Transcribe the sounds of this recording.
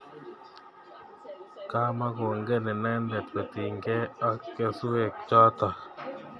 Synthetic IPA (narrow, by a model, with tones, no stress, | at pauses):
ka˦ma˦ɡo˨ŋɡe˦nɪ˨nɛ˦ndɛ˨t̪pe˨t̪i˨ŋɡe˦a˦kːe˦sʊ˦e˨k̚t͡ʃɔ˦t̪a˨